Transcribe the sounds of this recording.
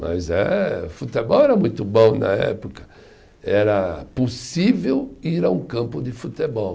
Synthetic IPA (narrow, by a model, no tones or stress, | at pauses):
mʔɐ̰zɛ̰fut̪ebɔwɛɾɐmũj̃t̪ʊbõw̃nɐ̰ɛ̰pokɐ̥ | ɛɾɐposivewiɾaũkɐ̃mpʊd̪ɪfut̪ebɔw